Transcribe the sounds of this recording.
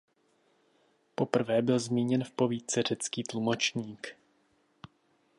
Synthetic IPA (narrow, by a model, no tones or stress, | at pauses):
po̞pr̩vɛːbɪlzmiːɲɛnfpo̞viːt̪t͡sɛr̝ɛt͡skiːt̪lumo̞t͡ʃɲiːk